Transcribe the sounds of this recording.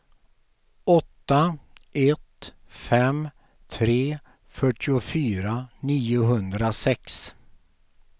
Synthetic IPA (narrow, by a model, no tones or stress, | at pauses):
ɔt̪ːaɛt̪ | fɛm | t̪ʰɾeː | fœʈʰːɪʊfyːɾaniːʊɦɵnd̪ɾasɛks